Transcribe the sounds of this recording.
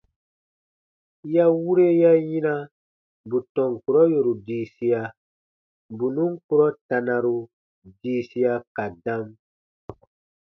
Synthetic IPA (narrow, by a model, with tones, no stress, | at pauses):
ja˦wu˦ɾe˦ja˦jĩ˦na˦ | bu˨tɔ̃˨ŋ˨ku˨ɾɔ˦jo˨ɾu˨diː˨si˦a˨ | bu˨nũ˦ŋ˦ku˦ɾɔ˦ta˨nã˨ɾu˨ | diː˨˦si˦ja˧ka˨dã˦m